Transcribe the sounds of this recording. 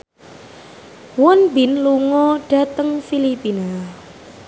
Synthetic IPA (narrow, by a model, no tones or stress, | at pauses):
wɔnbinluŋɔɖ̥ä̤t̪əŋfilipina